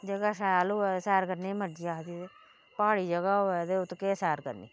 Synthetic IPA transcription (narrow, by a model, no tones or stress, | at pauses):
d͡ʒəɡaːsɛːloːɛːsɛːɾkəɾniːməd͡ʒiaːt̪ie | paːɽiːd͡ʒəɡaːɦoɛːd̪eːʊt̪keːsɛːɾkə̰ɾnḭː